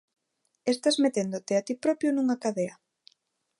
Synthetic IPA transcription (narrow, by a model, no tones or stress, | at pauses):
est̪azmet̪end̪ʊt̪eat̪ipɾɔpjʊnuŋakaðeɐ